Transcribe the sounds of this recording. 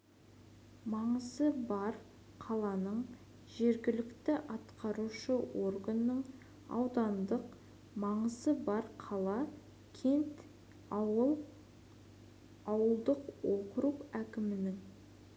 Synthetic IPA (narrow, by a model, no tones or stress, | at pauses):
mɑɴəzəbɑɾ | qʰɑlˠɑnəɴ | ʒe̞ɾɡʲɪlɪkt̪ɪʔɑt̪qɑɾuʃəworɡənːəɴ | ɑ̰wd̪ɑnd̪əq | mɑɴəzəbɑɾqʰɑlˠɑ | kʲʰe̞nt̪ | ɑwəlˠd̪əqwoqɾupækʲɪmɪnɪŋ